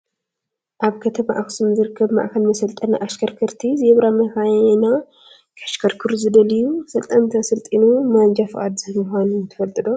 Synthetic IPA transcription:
ʔaβkʰɐt̪ʰɐma̰ʔaksumzɨɾɨkʰːɐβma̰ʔkʰɐlmɐsɐlt̪ʼɐnaʔaʃkʰɐɾkʰɨɾt̪ʰiziɛβɾamɐxajna | kʰaʃkʰɐɾkʰɨɾzɨd̪ɐlɨjːusɐlt̪ʼɐnt̪ʰɐsɨlt̪ʼinumand͡ʒafɨʔa̰d̪zɨmɨxʷanut̪ʰɐ̥fɐlt̪ʼɨd̪o

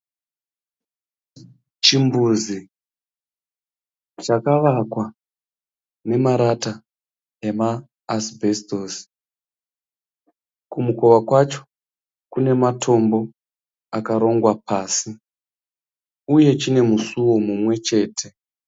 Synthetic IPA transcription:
t͡ʃimbuzi | t͡ʃakaʋakwa | ne̞maɾata | emaː | sbʱe̞stosi̥ | kumuko̞ʋakwat͡ʃo̥ | kune̞matʰo̞mbo̞ | akaɾo̞ŋɡwapaːsi | uje̞t͡ʃine̞musuwo̞mumwe̞t͡ʃe̞ːtʰe̞

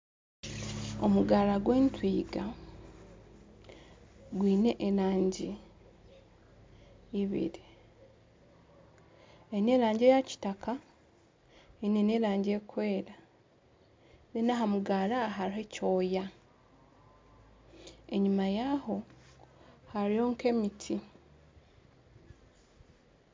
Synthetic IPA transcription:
omuɡaːɾaɡweːntwiːɡa | ɡwiːne̞ʔeɾaːɲɟi | βḭɾi | eine̞ːɾaːɲɟejaci̥taka | eineneːɾaːɲɟeːkwe̞ːɾa | nenaɦamuɡaɾaɦaɾiɦe̞co̞ːja | eɲumajaɦo̞ | haɾijo̞ːŋke̞mitʰi

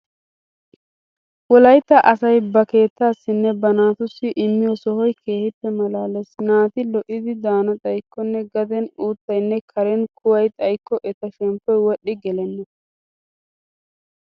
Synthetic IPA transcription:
wɔlɐjt̪ːɐʔɐsɐjbɐke̞ːt̪ːaːsːɪnːɛbɐnaːt̪ʊsːɪʔɪmːɪjɔsɔhɔjkʰe̞ːhɪpːɛmɐlaːlɛsnaːt̪ɪlɔʔːɪd̪ɪd̪aːnɐt̪ʼɐjkːɔnːɛɡɐd̪ɛnuːt̪ːɐjnːɛkʰɐɾɛnkʰʊwɐjt̪ʼɐjkːɔʔɛt̪ːɐʃɛmpːɔjwɔɗːɪɡɛlɛnːɐ

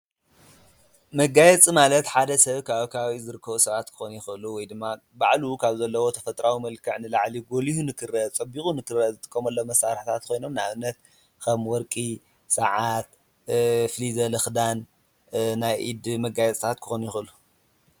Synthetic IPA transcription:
mɐɡajɛt͡sʼimalɐt̪ħad̪ɐsɐβkʰaβkʰaβizɨɾɨkʰːɐβusɐβat̪kʰɨ̥xonjɪxɨʔɨluwɔjd̪ɨmːa | baʕlukʰaβzɐlːɐwo̞t̪ʰɐfɐt̪ʼɾawimɐlkʰɐʕnɨlaʕliɡolihunɨkʰɨrɐt͡sʼɐbikʼunɨkʰɨrɐzɨt̪ʼɨ̥kʰʼːɐmɐlːomɐsaɾħt̪ʰat̪kʰo̞jno̞mnaβɨnːɐt̪̚ | kʰɐmwɔɾkʼi | sɐʕat̪̚ | fɨlizɐlɨxd̪an | najʔid̪mɐɡajɛt͡sʼt̪ʰat̪̚kʰɨ̥xonjɪxɨɨlu

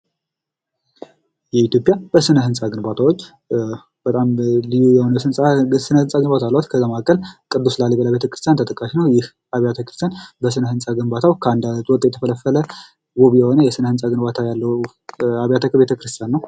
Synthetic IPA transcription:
jɛit̪jo̞pʼjabəsɨnəɦɨnsʼaɡɨnbat̪ʰawot͡ʃː | b̥ət̪ʼamlijujɛhonəɨnsʼasɨnəhɨnsʼaɡɨnbat̪ʰalːat̪kʰəzːamakʼəlkʼɨd̪ːuslalːiβəlabet̪ʰəkɾɨst̪ijant̪ʰət̪ʼəkʼːaʃinəwjɪh | aβjat̪ʰəkɾɨst̪ʰjanbəsɨnəhɨnsʼaɡɨnbat̪ʰawkʰəand̪at̪ʼwɔt̪ʼjɛt̪ʰəfələfːələ | woβjɛho̞nəjɛsɨnəhɨnsʼaɡɨnbat̪ʰajalːə | aβjat̪ʰəkʰəbet̪ʰəkɨɾɨst̪ʰijanːəw

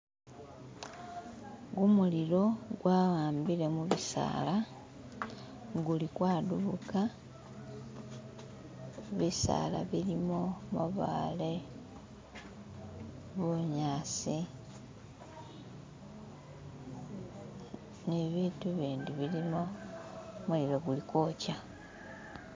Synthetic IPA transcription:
ɡumuliɾo̞ɡwawaːmbile̞muβisa̰ːla | ɡulikwaːduβuka | βisa̰la̰βilimo̞mṵβa̰ːle | βoɲaːsi | neβiːtuβiːnduβilimo | maliloɡulikoːca

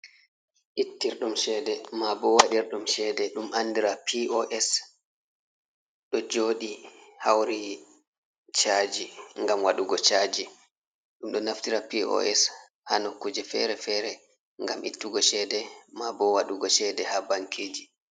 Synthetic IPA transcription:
ʔitːiɾɗumʃɛːdɛmabɔwaɗiɾɗumʃɛːdɛɗumʔanːdiɾapʰiʔɔʔɛs | ɗɔd͡ʒoːɗihawɾi | t͡ʃad͡ʒiŋɡamwaɗuɡɔt͡ʃaːd͡ʒi | ɗumɗɔnaftiɾapiɔ̰ʔɛs | ha̰nɔkːud͡ʒɛfɛ̰ɾɛfɛɾɛ | ŋɡamʔḭtːuɡɔʃɛːdɛmabɔwaɗuɡɔʃɛdɛhabaŋkʰeːd͡ʒi

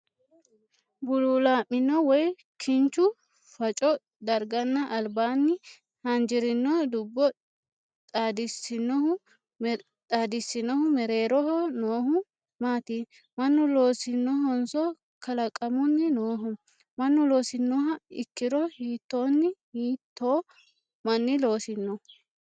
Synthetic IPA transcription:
bʊlulaːmːɪnːɔwɔj | kʰɪnt͡ʃːʊ | fɐt͡ʃʼɔ | d̪ɐɾɡɐnːɐʔɐlbaːnːɪ | hɐnd͡ʒɪɾɪnːɔd̪ʊbːɔ | t̪ʼaːd̪ɪsɪnːɔhʊ | t̪ʼaːd̪ɪsɪnɔhʊmɛɾeːɾɔɦɔnoːhʊ | maːt̪iː | mɐnːʊlo̞ːsɪnːɔɦɔnsɔ | kɐlɐkʼɐmʊnːɪnoːɦɔ | mɐnːʊlo̞ːsɪnːɔɦɐɪkːɪd̪ɔhiːt̪ːo̞ːnːɪhiːt̪ːoː | mɐnːɪlo̞ːsɪnːɔ

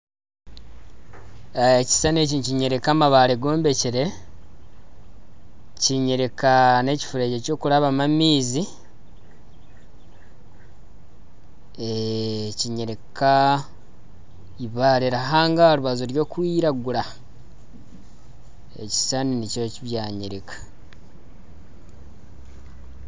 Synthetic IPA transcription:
eci̥sanecinciɲe̞ɾekamaβaɾeɡo̞ːmbe̞ciɾe̞ | ciɲeɾekane̞ci̥fuɾeɟeco̞ːkuɾaβamamiːzi | eciɲeɾeka | iβaɾeɾaɦaːŋɡaɾuβazoɾjo̞ːkwiːɾaɡuɾa | ḛci̥saninicociβjaːɲeɾekḁ

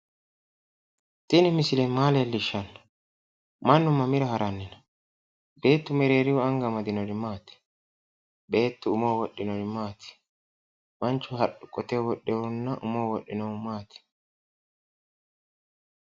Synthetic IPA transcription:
t̪ɪnɪmɪsɪlɛmaːleːlːɪʃːɐnːɐ | mɐnːʊmːɐmɪɾɐhɐɾɐnːɪnɐ̥ | be̞ːt̪ːʊmɛɾe̞ːɾɪwʊɐŋɡɐmɐd̪ɪnɔɾɪmaːt̪ɪ̥ | be̞ːt̪ːʊʊmoːwɔɗːɪnɔɾɪmaːt̪ɪ̥ | mɐnt͡ʃːʊɦɐɗʊkʼɔt̪ɛwɔɗɛwʊnːɐʔʊmoːwɔɗːɪnɐwmaːt̪ɪ̥

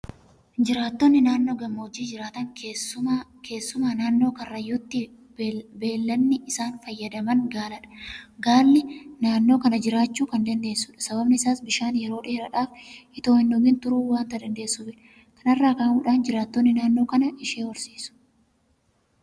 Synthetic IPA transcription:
d͡ʒɪɾaːt̪ːɔnːɪnaːnːo̞ːɡɐmːoːd͡ʒiːd͡ʒɪɾaːt̪ɐŋ | kʰe̞ːsːʊmaːnaːnːo̞ːkɐrːɐjut̪ːɪ | be̞ːlːɐnːɪɪsaːnfɐjːɐd̪ɐmɐŋɡaːlɐᶑɐ̥ɡaːlːɪnaːnːo̞ːkɐnɐd͡ʒɪɾaːt͡ʃːuːkɐnd̪ɐnd̪e̞ːsːʊːᶑɐ̥sɐbɐbnɪɪsaːsbɪʃaːnjɛɾo̞ːᶑeːɾɐᶑaːfɪt̪o̞ːhɪnːɔɡɪnt̪ʊɾuːwaːnt̪ɐd̪ɐnd̪e̞ːsːuːbɪᶑ | kɐnɐrːaːkaːmuːᶑaːnd͡ʒɪɾaːt̪ːɔnːɪnaːnːoːkɐnɐɪʃeːwɔɾsiːsʊ̥

